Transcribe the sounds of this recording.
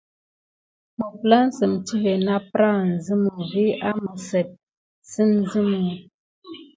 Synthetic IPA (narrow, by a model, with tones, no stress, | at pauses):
mə˨pla˦n̩˦sə˨mti˦ve˨na˦pɾa˦˨n̩˨zɨ˦mu˨vi˦ʔa˦mə˨sɛ˨t̚ | si˦n˦zi˦mu˨